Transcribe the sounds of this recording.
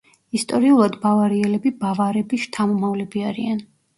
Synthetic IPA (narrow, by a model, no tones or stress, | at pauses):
ist̪ʼɔɾiulˠad̪bavaɾiɛlɛbibavaɾɛbiʃt̪ʰamɔmavlɛbiaɾian